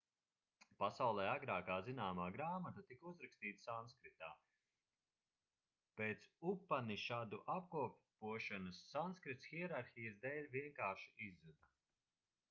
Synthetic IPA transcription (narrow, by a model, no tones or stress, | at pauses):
pasawlˠɛːaɡɾaːkaːzinaːmaːɡɾaːmat̪at̪ikuzɾakst̪iːt̪sanskɾit̪aː | peːt̪supːaniʃaːd̪uʔap̚kuɔp | uɔʃanɐsːanskɾit̪sxiɛɾaɾxʲijasd̪ɛːlʲviɛŋkaːʃiʔizːud̪a